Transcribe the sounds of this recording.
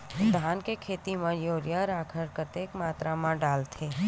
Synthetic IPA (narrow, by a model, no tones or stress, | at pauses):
d̪aːnkekʰeːt̪imãjoːɾjaɾaːkʰəɾkət̪eːkmaːt̪ɾamãɖaːlt̪ʰeː